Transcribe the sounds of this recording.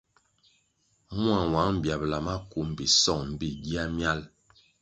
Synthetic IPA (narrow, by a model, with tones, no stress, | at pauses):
mwa˨wa˨˦ŋm̩˨bja˨bla˨ma˦ku˨˦m̩˨bi˨sɔ˦˨ŋm̩˦bi˦˨ɟi˦a˦mja˦l